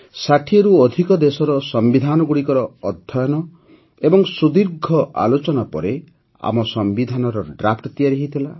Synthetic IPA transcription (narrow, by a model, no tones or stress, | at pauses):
saʈʰieɾuɔd̪ʱikɔd̪esɔɾɔsɔmbid̪ʱanɔɡuɽikɔɾɔɔd̪ʱɔjɔnɔ | ebɔŋsud̪iɾɡʱɔʔa̰lot͡ʃɔnapɔ̰ɾe | a̰mɔsɔmbid̪ʱanɔɾɔɖɾap̚ʰʈɔt̪ijaɾiɦit̪ʰila